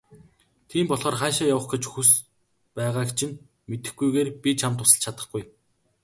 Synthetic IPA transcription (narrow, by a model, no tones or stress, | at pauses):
t̪ʰiːmpɔɮʁɔːrχæːʃaːjawə̆χɡet͡ɕxus | pæːʁaːkt͡ɕʰɪ̆n | met̪ɘ̆xɡujɣeːrpʲit͡ɕʰamt̪ʊsə̆ɬt͡ɕʰat̪ə̆χɡuj